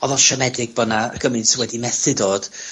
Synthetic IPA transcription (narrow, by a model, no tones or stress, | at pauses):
ɔðɔʃɛmɛdɪɡ̚bənaə̰ɡəmɨnsɪwɛdimɛθɨdoːd̥